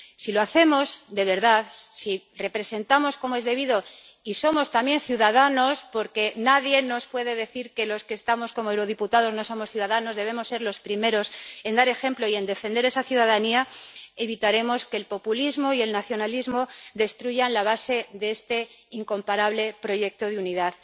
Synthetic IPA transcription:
silo̞aθe̞mo̞sd̪e̞βe̞ɾðaðsi | re̞pɾe̞se̞nt̪amo̞sko̞moe̞zðe̞β̞iðo̞ | iso̞most̪ambje̞nθjuðaðano̞spo̞ɾke̞naðje̞no̞spwe̞ðe̞ðe̞θiɾke̞lo̞ske̞ːst̪amo̞sko̞moewɾoð̞iput̪aðo̞zno̞so̞mo̞sθjuð̞aðano̞zðe̞β̞e̞mo̞sːe̞ɾlo̞spɾime̞ɾo̞se̞nd̪aɾe̞xe̞mploie̞nd̪e̞fe̞nd̪eɾe̞saθjuðaðaniae̞β̞it̪aɾe̞mo̞ske̞lpo̞pulizmo̞ie̞lnaθjo̞nalizmo̞ðe̞st̪ɾuʝanlaβ̞ase̞ðeest̪e̞iŋko̞mpaɾaβle̞pɾo̞ʝe̞k̚t̪o̞ðeuniðað

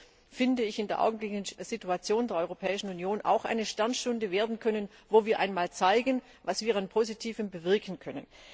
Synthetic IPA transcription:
fɪndəɪçɪndeːɐʔa̰ʊɡŋ̩blɪɡnənz̥ituat͡sjoːndeːɐɔʏʁopʰɛːɪʃn̩unjoːnʔa̰ʊxʔa̰ɪnəʃtɛɐnʃtʊndəveːɐdn̩kʰœnənvoːviːɐʔa̰ɪnmaːlt͡saɪɡən | vasv̥iːɐanpʰozitʰiːvəmbəvɪɐkʰn̩kʰœnə̰n

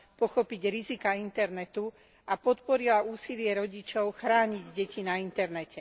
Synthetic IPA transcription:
pɔxɔpiɟɾizikaint̪ɛɾnɛt̪u | ʔapɔt̪pɔɾilauːsilɪɛɾɔɟit͡ʃɔʊxɾaːɲiɟɟɛcinaint̪ɛɾnɛcɛ

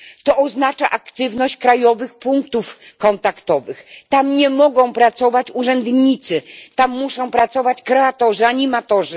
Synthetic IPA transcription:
t̪ɔʔɔznat͡ʂaʔakt̪ɘvnɔɕt͡ɕkɾajɔvɘxpuŋkt̪ufkɔnt̪akt̪ɔvɘxt̪amɲɛmɔɡɔ̃w̃pɾat̪sɔvat͡ɕuʐɛnd̪ɲit̪sɘt̪amːuʂɔ̃w̃pɾat̪sɔvat͡ɕkɾɛat̪ɔʐɨaɲimat̪ɔʐɨ

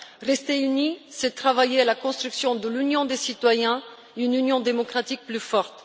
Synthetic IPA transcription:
ʁɛst̪eynisɛt̪χavajealakɔ̃st̪χyksjɔ̃d̪əlynjɔ̃d̪esit̪wajɛ̃ | ynynjɔ̃d̪emɔkχat̪ik̚plyfɔʁt̪

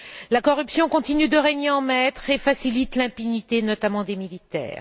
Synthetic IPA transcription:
lakɔʁypsjɔ̃kɔ̃t̪inyd̪əʁeɲeɑ̃mɛt̪χefasilit̪lɛ̃pynit̪enɔt̪amɑ̃d̪emilit̪ɛ̰ːʁ

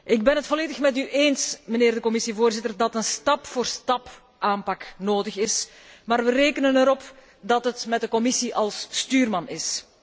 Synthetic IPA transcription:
ʔɪɡ̚bɛnɦətfɔleːdəxmɛtyʔeːnsməneːrdəkɔmɪsivoːrzɪtərdɑtənstɑpfoːrstɑp | ʔaːmpɑknoːdəxɪs | maːrʋəreːkənənəɾɔp | dɑtɦətmɛd̚əkɔmɪsiʔɑlˠstyːrmɑnɪs

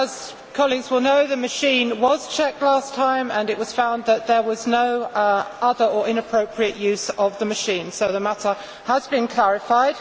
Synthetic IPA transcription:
əz̥ | kʰɒliɡzwɪlˠnəʊðəməʃĩːnwɒz̥t͡ʃʰɛk̚tˡlæˑstʰãɪ̃mə̃nɪʔwɒz̥fãʊ̃nðəʔ̪ðəwɒznəʊʔʌðəɹəɹʔɪ̃nəpʰɹ̥oʊpʰɹiəʔjʉzəvðəməʃĩnsoʊðəmatə | əzbɪ̃nkʰl̥æɹɪfaɪd̥

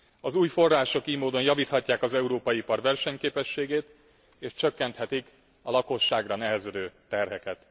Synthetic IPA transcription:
ɒzuːjfo̞rːaːʃo̞kiːmoːd̪o̞njɒviːt̪hɒcːaːkɒzɛuɾoːpɒjipɒrvɛrʃɛɲkeːpɛʃːeːɡeːt̪ | eːʃt͡ʃøkːɛnt̪hɛt̪ik | ɒlɒko̞ʃːaːɡrɒnɛɦɛzød̪øːt̪ɛrɦɛkɛt̪

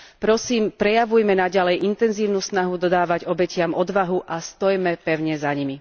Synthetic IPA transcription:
pɾɔsiːmpɾɛjaʋujmɛnaɟalɛjint̪ɛnziːʊnuːsnaɦud̪ɔd̪aːʋaɟɔbɛcɪamɔd̪ʋaɦuʔast̪ɔjmɛpɛʊɲɛzaɲimi

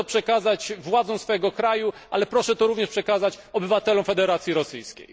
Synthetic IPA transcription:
ɔpʂɛkazat͡ɕvwad̪zɔ̃w̃sfɔɛɡɔkɾajuʔalɛpɾɔʂɛt̪ɔɾuvɲɛʂpʂɛkazat͡ɕ | ɔbɘvat̪ɛlɔmfɛd̪ɛɾat̪sʲjiɾɔsɘjskʲḛj

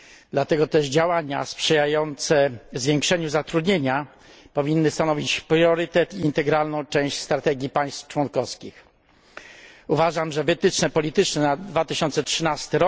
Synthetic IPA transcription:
d̪̥lat̪ɛɡɔt̪ɛʐd͡ʑawaɲa̰spʂɛjajɔnt̪sɛzvʲjɛŋkʂɛɲuzat̪ɾud̪ɲeɲa | pɔvʲinːɘst̪anɔvʲit͡ɕpɾjɔɾɘt̪ɛt̪iːnt̪ɛɡɾalnɔ̃w̃t͡ʂɛ̃w̃ɕt͡ɕst̪ɾat̪ɛɡʲipaj̃st̪ft͡ʂwɔnkɔskʲix | uvaʐamʐɛvɘt̪ɘt͡ʂnɛpɔlʲit̪ɘt͡ʂnɛnad̪vat̪ɘɕɔnt̪sɛtʂɘnast̪ɘɾɔ

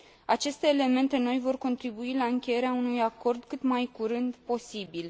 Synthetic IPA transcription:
at͡ʃe̞st̪e̞ːle̞me̞nt̪e̞no̞jvo̞rko̞nt̪ɾibuilaɨŋkʲe̞je̞ɾeaunujako̞rd̪kɨt̪majkuɾɨnd̪po̞sibil

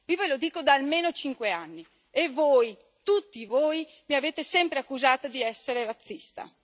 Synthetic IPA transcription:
viːvelod̪iːkod̪aːlmeːnot͡ʃiŋkweanːi | evoj | t̪ut̪ːivoːj | miaveːt̪esɛmpɾeakːuzaːt̪ad̪iɛsːeɾerat̪sːist̪a̰

